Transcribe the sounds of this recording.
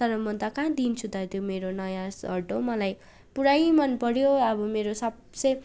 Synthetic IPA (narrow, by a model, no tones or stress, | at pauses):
ʌɾʌmʌt̪akãd̪int͡sʰut̪ʌt̪ʰjomeɾonʌjãsɦʌʈomʌlaj | puɽajmʌnpʌɾjoʌbʌmeɾosʌb | t͡sʌj